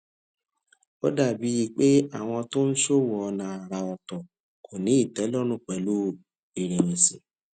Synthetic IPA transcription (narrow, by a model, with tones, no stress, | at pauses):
o̰˦da˦˨bi˨˦ji˧k͡pe˦a˦˨w̃ɔ̃˧to˦n̩˦ʃo˦wɔ˧nã˨a˨ɾa˧ɔ˨tɔ˨ | kʰo˨nĩ˨˦i˦˨tɛ˨˦lɔ˦nũ˦˨k͡pɛ˨˦lu˦ | i˨ɾe˨nĩ˨sĩ˨